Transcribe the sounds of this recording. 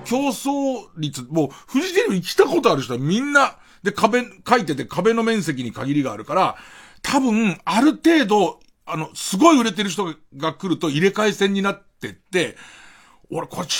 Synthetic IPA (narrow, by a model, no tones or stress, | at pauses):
kʲo̞ːso̞ːɾʲit͡sɨmo̞ːɸɯ̟ʑit̪eɲʲimiikʲi̥t̪ako̞t̪o̞aɾɯ̟ɕi̥t̪omʲĩnːa | d̪e̞kabe̞kait̪ːe̞t̪e̞kʰabe̞no̞mẽ̞ɰ̃s̬e̞k̬ʲiɲ̟ikaɡʲiɾʲiɡaːɾɯ̟kaɾa | t̪ʰabɯ̟̃aɾɯ̟t̪e̞ːd̪o̞ | ano̞sɨɡo̞iɯ̟ɾe̞t̪e̞ɾɯ̟ç̬̥t̪oɡ | ɡakɯ̟ɾɯ̟t̪o̞iɾe̞kaisẽ̞ɲ̟ːinat̪ːe̞t̪ːe̞ | oɾekʰo